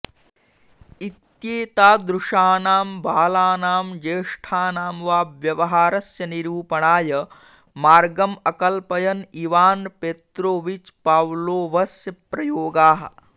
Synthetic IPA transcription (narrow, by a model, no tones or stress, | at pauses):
it̪jeːt̪aːd̪ɾuʂaːnaːmbʱaːlaːnaːmd͡ʒeːʂʈʰaːnaːmʋaːbʋjɐʋɐɦaːɾɐsjɐniɾuːpɐɳaːjɐ | maːɾɡɐmɐkɐlpɐjɐniʋaːnpet̪ɾoːʋit͡ʃpaːwloːʋɐsjɐpɾɐjoːɡaːɦɐ̰̆